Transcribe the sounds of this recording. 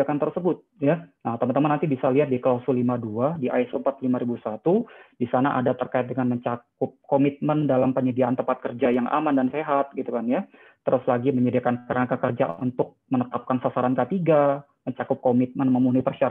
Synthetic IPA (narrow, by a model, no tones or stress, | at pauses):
akant̪ərsəbʊt̪̚janaht̪əmant̪əmanːant̪ibisaliɦat̪̚dikəlasɔlimaduadiʔaɪsəmpat̪limaɾibusat̪ud̥isanaʔa̰dat̪ərkaɪt̪̚dəŋanməɲt͡ʃakʊp̚komit̪̚məndalampəɲədiaʔːnt̪əmpat̪̚kərd͡ʒajaŋʔa̰mandanseɦat̪̚ɡit̪ukanja | t̪əɾʊslaɡiməɲədiakankəɾaakakərd͡ʒa̰ṵnt̪ʊk̚mənət̪ap̚kansasaɾankət̪iɡa | məɲt͡ʃakʊp̚komit̪̚mənməmunipərʃiaɾ